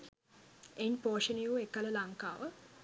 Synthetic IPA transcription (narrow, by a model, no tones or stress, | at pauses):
eɲpoːʃənijuekːələlaŋka̰ːʋə